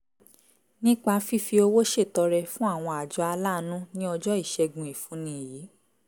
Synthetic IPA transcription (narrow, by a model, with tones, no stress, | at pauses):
nĩ˦k͡pa˧˦fi˦fi˧o˧wo˦ʃe˦˨tɔ˧ɾɛ˧fũ˦a˦˨w̃ɔ̃˧a˨d͡ʒɔ˨˧˦a˧la˦nũ˦nĩ˦ɔ˧d͡ʒɔ˦i˦˨ʃɛ˧ɡũ˧˨i˨fũ˨˦nĩ˦˨jiː˨˦